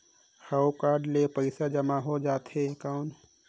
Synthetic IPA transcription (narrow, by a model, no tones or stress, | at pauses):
hawkaːɾɖlepəɪsad͡ʒɐmaɦod͡ʒaːt̪ɦekaʊn